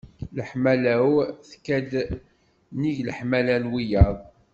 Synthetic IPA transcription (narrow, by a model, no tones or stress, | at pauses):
ləħmælæwθkːæd̪ | niʝləħmælænwijɑðˤ